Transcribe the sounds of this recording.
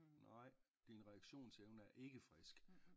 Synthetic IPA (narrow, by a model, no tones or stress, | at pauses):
nʔɑ̈ɪ̰ | d̥inʁɛɑɡ̥ɕo̝̰ːnt͡sʰeeʊnəæɐʔe̝ɡ̥əfʁɛsɡ̥